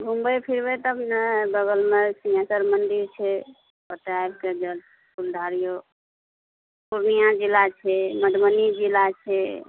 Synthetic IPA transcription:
ɡʱumbəpʰiɾbet̪əbnabəɡəlmesĩãsəɾmənɖ̪iɾt͡ʃʰɛ | pət̪ajbked͡ʒəlt̪ | puld̪ʱaɾijo | puɾnijad͡ʒilat͡ʃʰɛməɖmənid͡ʒilat͡ʃʰɛ

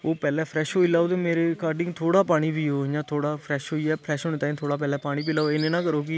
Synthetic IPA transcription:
oːpɛːlɛːpʰɾɛːʃɦoːiːlaːot̪eːmeːɾeːkaːɾɖɪ̃ŋɡt̪ʰoːɽaːpaːɽ̃iːbʱiːoːjãːt̪ʰoːɽaːpʰɾɛːʃɦoːiːɛːpʰɾɛːʃɦoːneːt̪aːĩnt̪ʰoːɽaːp̬ɛːlɛ̃ːpaːɽ̃iːpiːlaːoeːnẽːnãːkəɾoːkɪ

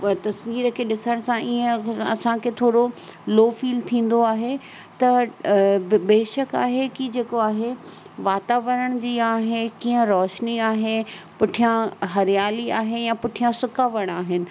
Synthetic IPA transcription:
t̪ɐsʋiːɾkʰeːɗɪsəɽ̃sãiə̃ɐsãkʰet̪ʰoːɽoloːfiːlt̪ʰĩːn̆d̪oaːɦe | t̪ɐ | beːʃəka̰ːɦekid͡ʑeːkoaːɦe | ʋaːt̪aːʋəɾəɽ̃d͡ʑiːaːɦekĩːə̃ɾɔːʃniaːɦe | pʊʈʰijãɦɐɾɪjaːliaːɦejãpʊʈʰijãsʊkaːʋɐɽ̃aːɦɪnɪ̆

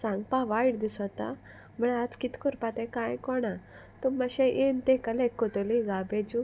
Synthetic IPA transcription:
sãŋɡpaʋaiɽd̪isət̪a̰ | m̤əɳat̪kit̪kɔɾpat̪ɛ̃kãjkɔɽ̃a | t̪umaɕɛ̃ʔent̪ɛkəlekːɔt̪ɔliɡabed͡ʑu

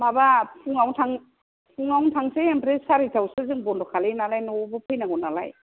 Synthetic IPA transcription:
mabapʰuŋawntʰaŋ | pʰuŋawntʰaŋseempɾesaɾitʰawsɯzɯŋbɔndɔkʰalenalajnɔbɯpʰɯjnaɡɔnala̰j

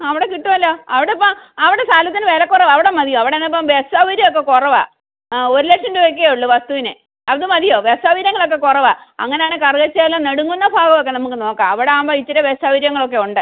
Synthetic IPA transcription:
ɐʋiɽekiʈːumɐlːoːɐʋiɽepːɐmɐʋiɽesaːlɐt̪ːinɨʋeːlɐkːurɐʋɐʋiɽemɐdðijoːɐʋiɽenːep̬ːɐmʋesɐʋiɾjɐokːe̞kurɐʋa̰ | oɾulekʂɐmduʋekːiɣɐjuɭːuʋɐst̪uʋinɨ | ɐðɨmɐðijoːʋesɐʋiɾjɐŋːɐɭo̞kːe̞kurɐʋaɐ̰ŋːɐnejaːɳɨkɐrɣɐt͡ɕːaːlːoneɽuŋːunːɐbʱaːɡɐmok̬ːe̞nɐmuk̬ːɨno̞ːkːa̰ːmɐʋiɽe̞aːmbɐjit͡ɕːiɾeʋesɐʋiɾjɐŋːɐɭo̞k̬ːe̞uɳɖɨ

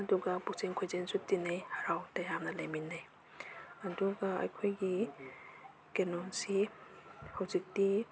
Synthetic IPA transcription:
ɐduɡabuk̚seŋkʰojzenzutːinajhaɾawtajamnalaminːaj | aduɡaa̰jkʰojɡi | kenɔnsi | hawzik̚di

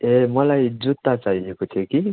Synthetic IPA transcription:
emʌlajd͡zut̪ːat͡saɦiekot̪ʰeki

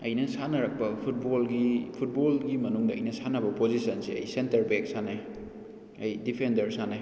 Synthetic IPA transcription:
ɐjnɐsanɐɾɐk̚pɐpʰut̚bolɡipʰut̚bolɡimɐnuŋdɐɐ̰jnɐsanɐbɐpozisɐnseɐ̰jsentɐɾbek̚sane | ɐjdipʰendɐɾsane

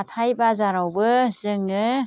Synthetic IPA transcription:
t̪ʰajbazaɾawbɯzɯŋɯ

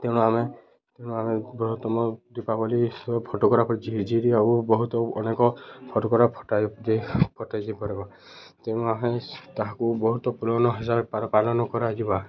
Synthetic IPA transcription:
t̪ew̃nɔame | t̪ew̃nɔamebɔɦɔt̪ɔmɔd̪ipabɔlipʰɔtɔkɔɾapɔɾid͡ʒiɦd͡ʒiɾiaubɔɦut̪ɔɔnekɔpʰɔtɔkɔɾapʰɔtadepʰɔtajdipɔɾebɔ | t̪ew̃nɔamɛt̪aɦãkubɔɦut̪ɔpulɔwnɔɦɛzapapalɔnɔkɔɾad͡ʒiba

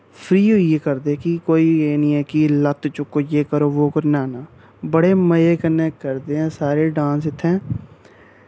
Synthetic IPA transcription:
pʰɾiːɦoːieːkəɾd̪ekikoːiːeːnĩːɛːkilət̪t͡ʃʊkːoːjeːkəɾoːʋoːkəɾnaːnaː | bəɽeːməjeːkənẽːkəɾd̪eːɦɛ̃ːsaːɾeːɖãːns̬ɪt̪ʰːɛ̃ː

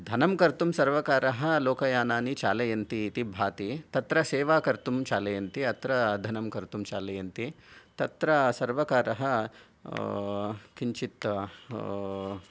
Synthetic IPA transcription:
d̪ʱɐnɐmkɐɾt̪umsɐɾʋɐkaːɾɐɦɐ̆loːkɐjaːnaːnit͡ʃa̰ːlɐjɐnt̪iːt̪ibʱaːt̪it̪ɐt̪ɾɐseːʋaːkɐɾt̪umt͡ʃaːlɐjɐnt̪iɐt̪ɾɐd̪ʱɐnɐmkɐɾt̪umt͡ʃaːlɐjɐnt̪it̪ɐt̪ɾɐsɐɾʋɐkaːɾɐɦɐ | kiɲt͡ʃit̪ɐ

